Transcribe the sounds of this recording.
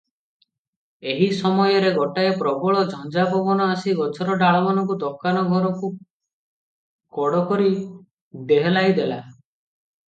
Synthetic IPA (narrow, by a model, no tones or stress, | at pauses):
eɦisɔmɔjɔɾeɡɔʈaepɾɔbɔɭɔd͡ʒʱɔnd͡ʒabɔbɔnɔasiɡɔt͡ʃʰɔɾɔɖaɭɔmanɔŋk̬ud̪ɔkːanɔɡʱɔɾɔku | kɔɽɔkɔɾi | d̪eɦɔlajd̪ela